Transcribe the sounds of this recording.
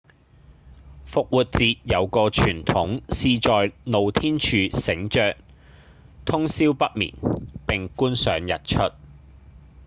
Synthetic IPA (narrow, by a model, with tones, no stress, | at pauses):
fʊ˨k̚wuː˨t̚t͡siː˧t̚jɐ˨˧wkɔː˧t͡ʃʰyː˨˩nt̪ʰʊ˨˥ŋsiː˨˧t͡ʃɔː˨jno˨wt̪ʰiː˥nt͡ʃʰyː˨˧sɪ˨˥ŋt͡ʃœː˧k̚ | t̪ʰʊ˥ŋsiː˥wpɐ˥t̚mḭː˨˩npɪ˨ŋkuː˥nsœː˨˥ŋjɐ˨t̚t͡ʃʰɵ˥t̚